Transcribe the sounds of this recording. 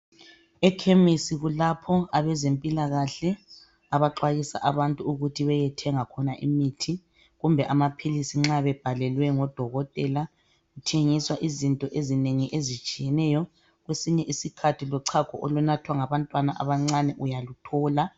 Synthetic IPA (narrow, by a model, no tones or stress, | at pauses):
ɛkʰemisiɣulapʰɔaβɛzempʼilaɣaɬɛ | aβaǁwajisa̰ʔaβantʼuuɣutʰiβɛjɛtʰɛŋakʰɔnaʔḭmitʰi | ɣumbʱɛʔamapʰilisiŋ͡ǁaβɛb̥ʱalɛlwɛŋɔd̥ʱɔɣɔtʼɛla | ɣutʰeŋiswaʔizintʼɔʔezineŋiʔezit͡ʃʼijɛnɛjɔ | ɣwesiɲɛʔisikʰatʰilɔǀʰakʰɔʔɔlunatʰwaŋaβantʼwanaʔaβaŋ͡ǀanɛʔujalutʰɔːla